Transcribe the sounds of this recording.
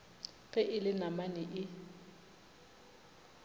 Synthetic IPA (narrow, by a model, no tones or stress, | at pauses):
kʼɛʔɪlɪnamanɪʔɪ